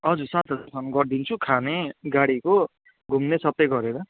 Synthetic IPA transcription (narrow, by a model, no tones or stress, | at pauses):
ʌd͡zursat̪ʰʌd͡zasʰʌnuɡʌrd̪int͡sʰukʰaneɡaɽiko | ɡʱumnesʌp̚t̪ʌɡʌɾeɾʌ